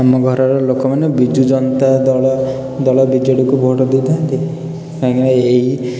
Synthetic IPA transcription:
amɔɡʱɔɾɔɾɔlokɔmanebid͡ʒud͡ʒɔnt̪ad̪ɔɭɔ | d̪ɔɭɔbid͡ʒɔɽikubʱoʈɔd̪id̪ant̪i | kãŋaaeɦi

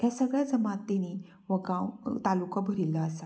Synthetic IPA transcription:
t̪jasəɡɭjad͡zəmat̪ːeñi | ʋəɡãwt̪alukabʱəɾilːaːsa

